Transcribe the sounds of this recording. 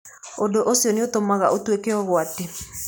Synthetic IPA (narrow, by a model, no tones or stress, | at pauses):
odoʔosijɔneotomaɣaʔotwekeɔɣwate